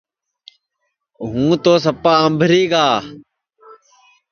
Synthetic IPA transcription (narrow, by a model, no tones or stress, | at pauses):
ɦũːt̪oːsəpaːəmbʱɾiːɡaː